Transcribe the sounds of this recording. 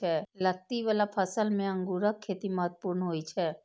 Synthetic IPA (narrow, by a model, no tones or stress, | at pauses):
ɛːlək̚t̪iʋalapʰəsəlmẽə̃ŋɡuːɾəkʰːeːt̪imaːt̪̚puːɾnɦoːit͡ʃʰɛː